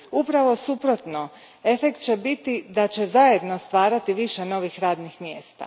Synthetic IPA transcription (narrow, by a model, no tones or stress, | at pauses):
upɾaʋo̞supɾo̞t̪no̞ | e̞fe̞kt̪̚t͡ɕe̞bit̪id̪at͡ɕe̞zaje̞d̪no̞st̪ʋaːɾat̪iʋiʃe̞no̞ːʋixɾaːd̪nixmjeːst̪a̰